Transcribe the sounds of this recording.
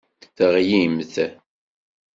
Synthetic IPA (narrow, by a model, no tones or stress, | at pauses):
θəʁjimθ